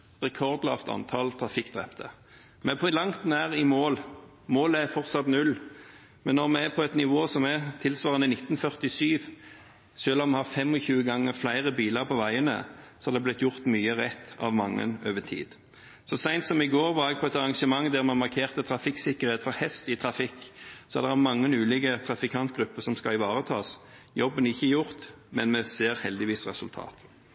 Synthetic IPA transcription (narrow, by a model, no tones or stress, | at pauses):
ʁɛkʰɔʁd̪lɑ̰ːft̪ɑ̰nt̪ʰɑlt̪ʰʁɑfɪkd̪ʁɛ̰pt̪ʰə | mɛpʰlɑŋt̪næːʁɪmoːl | moːləæfɔʁt̪sɑt̪nʉl | mɛnːɔʁmɛæpʰɔɛt̪nɪʋoːsɔmæt̪ʰɪlsʋɑːʁənəɪnɪt̪ːn̩fœʁt̪ɪsyːʋ | ʃøːlɔmɛhɑʁfɛmɔçʉːəɡɑŋːəʁflæɪʁəbiːləʁpʰɔʋæɪənə̰sɔhɑd̪ɛblɪt̪jʊʁt̪myːəʁɛt̪ːɑ̰ʋmɑŋːə̰nøːʋət̪ʰḭːd̪ | sɔsæɪnt̪sɔmɪɡoːʁʋɑʁɛɡ̚pʰɔɛt̪ɑʁɑŋʂəmɑŋd̪æʁmɑnmɑʁkʰeːʁt̪ət̪ʰɾɑfɪksɪkəʁheːt̪fɔɾhɛst̪ɪt̪ʰʁɾɑfɪkːsɔɑ̰d̪ɛæmɑŋːənʉːlɪɡət̪ʰʁɑfɪkʰɑnt̪̚ɡʁʉpːəsɔmskɑɪʋɑːʁət̪ʰɑːsjɔbːənɪçːəjʊʁt̪ | mɛnmɛseːʁhɛld̪ɪʋiːsʁɛsʉlt̪ʰɑ̰ːt̪